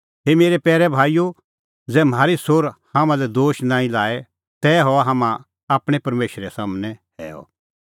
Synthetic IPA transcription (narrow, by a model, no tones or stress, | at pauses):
ɦeːmeːɾɛpɛːɾɛbʱaːijo | d͡zɛm̤aːɾisoːɾhãːmãlɛd̪oːʃnãːĩlaːɛ | t̪ɛɦɔaɦaːmã | aːpɽ̃ɛpɐɾmeːʃɾɛsaːmnɛɦɛ̰ːɔ̰